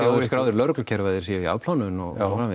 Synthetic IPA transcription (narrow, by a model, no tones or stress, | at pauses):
skɾaːwðʏɾlœɾklcʰɛɾvajðɪɾ̥siaia̰ːvpl̥awnʏnɔɣfɾamɪ